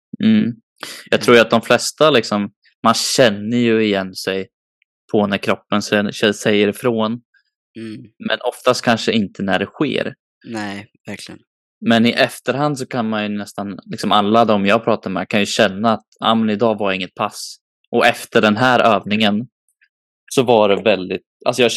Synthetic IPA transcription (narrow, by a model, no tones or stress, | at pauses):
m̩ː | jɑːɡt̪ʰɾuːjat̪̚d̪ɔmflɛst̪alɪksɔm | mːanɕɛnːəɾjɵɪjɛnːsɛj | pʰɔnæɾkʰɾɔpːənsɛɛsɛjːəɾɪfɾoːn | mɛnʔɔft̪ast̪̚kʰanʂəɪnt̪ʰənæɖɛɧḛːɾ | nɛ | æɾklɪn | mɛnɪʔɛft̪əɾɦand̪sɔkʰanmanjɵnɛst̪anlɪksɔmalːad̪ɔmjɑːɡpʰɾɑːt̪ad̪əmɛ̰kʰanjɵɕɛnːaːt̪a̰ːmɛnɪd̪ɑːvaɾɪŋːət̪̚pʰas | ʔɔɛft̪əɖɛnɦæːɾʔøːvnɪŋən | sɔvaɖɛvɛld̪ɪt̪̚a̰lsɔjɑː